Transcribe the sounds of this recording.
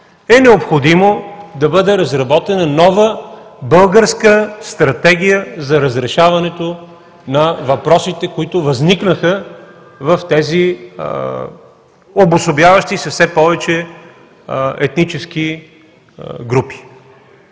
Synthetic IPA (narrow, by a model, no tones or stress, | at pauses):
ɛnɛopxod̪imod̪ɐbɤd̪ɛɾɐzɾɐbɔt̪ɛnɐnɔvəbɤlˠɡəɾskəst̪ɾɐt̪ɛɡʲijəzɐɾɐzɾɛʃavɐnɛt̪o | nɐvɐpɾɔsit̪ɛkoit̪ʊvɐzniknəxə | vəft̪ɛzi | obosobjavɐʃt̪isɐfsɛpɔvɛt͡ʃɛ | ɛt̪nit͡ʃɛski | ɡɾupi̥